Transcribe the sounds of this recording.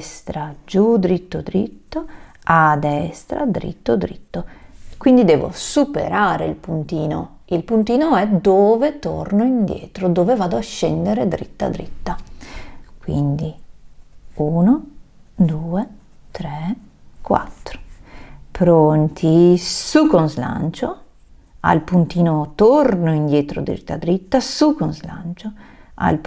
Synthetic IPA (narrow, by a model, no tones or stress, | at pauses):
st̪ɾad͡ʒud̪ɾit̪ːod̪ɾit̪ːoad̪ɛst̪ɾa̰d̪ɾḭt̪ːod̪ɾit̪ːokwind̪id̪ɛːvo̰supḛɾaːɾeilpunt̪iːno̰ | ilpunt̪iːnoɛd̪oːvet̪o̰rnoind̪jɛ̰ːt̪ɾod̪oːvevaːd̪oaʃːɛnd̪eɾed̪ɾit̪ːa̰d̪ɾit̪ːa | kwḭnd̪i | uːnod̪uːe | t̪ɾɛ | kwa̰t̪ːɾo̥pɾont̪ʰisukonzla̰nt͡ʃo | a̰lpunt̪iːnot̪ornoind̪jɛːt̪ɾo̰d̪ɾḭt̪ːa̰d̪ɾit̪ːasukonzla̰nt͡ʃoa̰lp